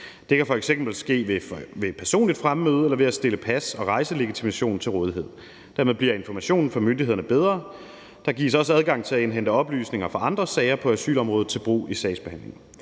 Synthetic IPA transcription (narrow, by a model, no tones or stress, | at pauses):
d̥e̝kʰæfɒ̽eɡ̥sem̰b̥l̩sɡ̥e̝̰ːʋeʋe̝pʰæɐso̝̰ːnlid̥fʁammøːð̞ˠelɐʋe̝æsd̥e̝ləpʰæsɒ̽ʁɑ̈ɪsəle̝ɡ̥it͡sʰimæɕo̝̰ːn̩t͡sʰe̝lʁɔ̽ːð̞ˠiɦe̝ð̰ˠ | d̥æɐ̰með̞ˠbliɐ̰e̝nfɒmæɕo̝̰ːn̩fɒ̽mønd̥ihe̝ðˠɐnəb̥eð̞ˠʁɐ | d̥ɑ̈ɡ̥ḭːɐsɒ̽s̬əæð̞ˠɡ̥ɑ̈ŋ̰t͡sʰe̝æenɦend̥əɒ̽b̥ly̰ːsne̝ŋɐfɑ̈ɑ̈nd̥ʁɐsɛːɪɐpʰɒ̽æsy̰ːlɒ̽mʁɔːð̞̩ˠt͡sʰe̝lb̥ʁṵːisɛɪsb̥ehænle̝ŋ̩